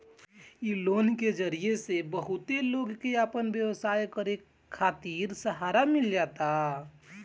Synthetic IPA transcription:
iloːnked͡ʒəɾiesebəɦut̪eloːɡkeapənbjewsaːjkəɾe | kʰːaːt̪iːɾsəɦaːɾamɪld͡ʒaːt̪a

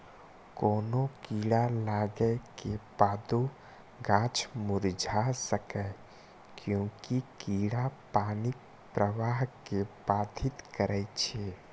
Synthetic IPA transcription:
koːnokiːɽalaːɡɛkebaːd̪o | ɡaːt͡ʃʰmʊɾd͡ʒʱasəkɛ | kjõːkikiːɽapaːnɪk̚ | pɾəʋaːɦkebaːd̪ʱɪt̪kəɾɛt͡ʃʰeː

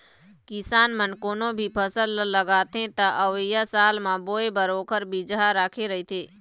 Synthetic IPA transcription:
kɪsaːnmənkoːnõbʱipʰəsəlːəɡaːt̪ẽt̪ɐʔɐʋjasaːlmãboːebəɾoːkəɾbid͡ʒaɾaːkʰeɾɐɦit̪ʰeː

